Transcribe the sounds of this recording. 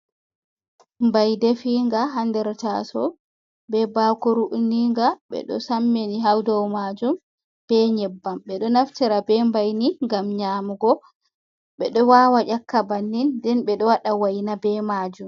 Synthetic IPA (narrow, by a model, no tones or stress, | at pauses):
mbajdefiŋɡaɦandɛɾta̰sɔ̰ | bɛbakuɾuʔniŋɡaɓɛ̰ɗɔ̰samːeniɦawdɔwmad͡ʒum | b̥ɛɲɛbːamɓɛɗɔnaftiɾabɛmbajniŋɡamɲaːmuɡɔ | ɓɛɗɔwawaʔʲakːabanːindɛnɓɛɗɔwaɗawajnabɛmad͡ʒum